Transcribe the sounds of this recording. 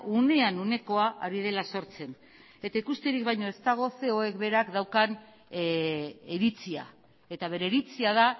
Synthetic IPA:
une̞anune̞ko̞aʔaɾið̞e̞laso̞ɾt͡se̞n | e̞t̪aikust̪eɾikbajɲo̞e̞st̪aɣ̞o̞se̞o̞e̞kβe̞ɾakd̪awkan | eɾit͡sia̰ | e̞t̪aβ̞e̞ɾeɾit͡siað̞a

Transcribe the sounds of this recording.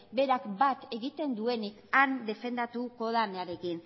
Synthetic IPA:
be̞ɾakbat̪e̞ɣit̪e̞nd̪ue̞nikand̪e̞fe̞nd̪at̪uko̞ðaneaɾe̞kin

